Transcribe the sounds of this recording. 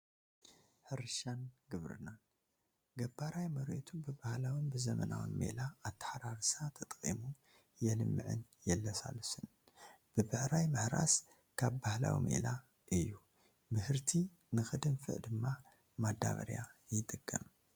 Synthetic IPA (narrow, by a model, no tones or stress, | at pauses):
ħɨɾʃanɡɨβɾɨ̰nan | ɡɐbaɾajmɐɾʔot̪ʰubɨbahlawɨnbɨzɐmɐ̰na̰wɨ̰nmḛlaːt̪ʰːḁħaɾaɾsat̪ʰɐt̪ʼkʼḭmu | jɛlɨmːɨʕɨ̰njɛlːɐsa̰lɨsɨn | b̥ɨbɨħɾajmɨhɾa̰s | kʰaβbahla̰wḭmḛla | ʔɨjːu | mɨhɨɾt̪ʰi | nɨxɨd̪ɨnfɨ̰ʔd̪ɨmːa | mad̪a̰βɐ̰ɾja̰jɪt̪ʼɨkʼːɨ̰m